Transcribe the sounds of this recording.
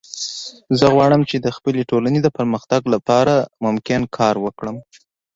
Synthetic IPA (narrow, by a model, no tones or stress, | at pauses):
zəɣwɑɽəmt͡ʃed̪əxpəleʈolaned̪əpəɾməxt̪aɡlapɑɾamʊmkɪnkʰɑɾwəkɽəm